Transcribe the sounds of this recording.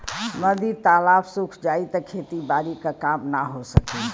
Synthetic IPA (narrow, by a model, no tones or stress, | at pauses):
məd̪it̪alapsukʰd͡ʒait̪əkʰet̪ibaɾikakamnaɦosəki